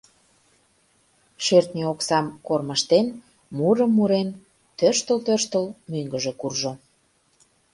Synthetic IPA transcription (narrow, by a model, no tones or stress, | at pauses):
ʃørt̪nʲeoksɑmkorməʃt̪en | muɾəmːuɾen | t̪ørʃt̪əlt̪ørʃt̪əlmyŋɡəʒekurʒo